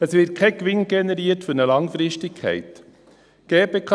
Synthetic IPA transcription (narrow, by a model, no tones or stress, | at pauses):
əsʋɪt̚kʰɛkʋɪnɡɛnɛɾiːətfɵɾnəlɑŋfɾɪʃtɪkʰɛ̰ɪt̪ | ɡ̥eːpeːkʰɑ